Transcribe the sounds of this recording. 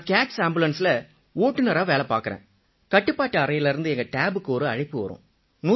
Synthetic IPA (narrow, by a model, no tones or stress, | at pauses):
kaːksaːmbɪlɐnsɪlɐ | oːʈːɯnɐɾaːʋeːlɐpa̰ːkɯɾḛ̃ː | kɐʈːɯpːaːʈːɐɐɾɐjɪlɪɾɯnd̪ɯɛŋɡɐʈaːbɯkːɯɔɾɯɐɻɪpːɯʋɐ̰ɾʊ̰̃ | nuː